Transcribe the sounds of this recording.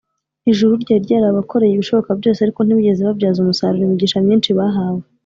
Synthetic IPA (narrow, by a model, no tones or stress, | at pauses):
iʒuɾuɾɟaːɾɟaːɾaβakʰo̞ɾe̞jiβiʃo̞βo̞kabɟo̞ːseaɾiko̞n̥iβiɟe̞zeβavɟaːzumusa̰ɾuɾimiɟiːʃamɲiːnʃiβaɦaːwe